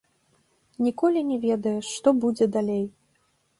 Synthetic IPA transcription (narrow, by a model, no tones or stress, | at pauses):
nʲikɔlʲinʲɛvʲɛd̪ɐjɛʂt̪ɔbud͡zʲɛd̪alʲej